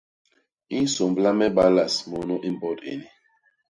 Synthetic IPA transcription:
i˦n̩˦so˨mbla˦mɛ˦ba˦la˨smɔ˨nɔ˦ʔi˦m˨bɔ˦tḛ˨ni˨

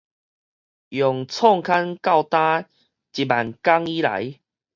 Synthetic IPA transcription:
jɔ˨˩ŋt͡sʰɔ˥˧ŋkʰa˦nka˥˧˨wt̪ã˦ | t͡ɕi˨˩ba˨˩nka˦ŋi˦la̰˨˦j

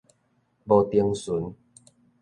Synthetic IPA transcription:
bɔ˧˩t̪i˧əŋsu˨˦n

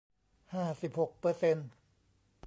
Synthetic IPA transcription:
haː˥˩si˨˩p̚ho˨˩k̚pɤː˧se˧n

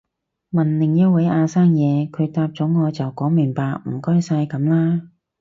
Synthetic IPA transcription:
mɐ˨nlɪ˨˩ŋjɐ˥t̚wɐ˨˥jʔaː˧saː˥ŋjɛː˨˧kʰɵ˨˧ɥt̪aː˧p̚t͡sɔː˨˥ŋɔː˨˧t͡sɐ˨wkɔː˨˥ŋmɪ˨˩ŋpaː˧k̚m̩˨˩kɔː˥jsaː˧jkɐ˨˥mlaː˥

